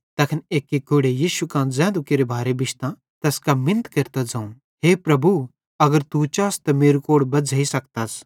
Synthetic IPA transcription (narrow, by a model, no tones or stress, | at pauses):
t̪ɐkʰneːkːikʊɽejiːʃukãːd͡zɛ̃ːnd̪ukeɾebʱaːɾebɪʃt̪ã | t̪ɐskamɪ̃nət̪keɾt̪ad͡zãːũ | ɦeːpɾɐbu | ɐɡəɾt̪ut͡ʃaːst̪ɐmeːɾukoːɽbɐd͡zʱaːisɐk̚t̪aːs